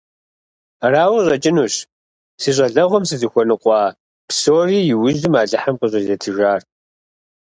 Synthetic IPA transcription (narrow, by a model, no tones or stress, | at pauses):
raːwɕʼɐt͡ʃʼɪnuːɕ | siːɕ̬ʼɐɮɐʁʷɔmsɨzɨxʷɔnɨqʷɑː | psoːriːjɪwʊʒdɨmaːɮɐħamqʼəɕʼɐzɐtʰɨʒaːr